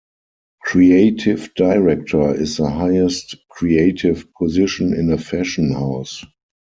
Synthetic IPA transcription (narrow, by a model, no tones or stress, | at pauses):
kʰɹieɪtʰɪvdaɪɹɛk̚tʰə˞ɪsðəɦaɪɛstkʰɹieɪtʰɪvpʰɔzɪʃə̃nɪ̰̃nəfɛʃə̃nhaʊs